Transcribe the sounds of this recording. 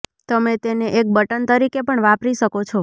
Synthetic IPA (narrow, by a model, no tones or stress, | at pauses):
t̪əmet̪eneʔek̚bəʈənt̪əɾikepəɳʋapɾiʃəkot͡ʃʰɔ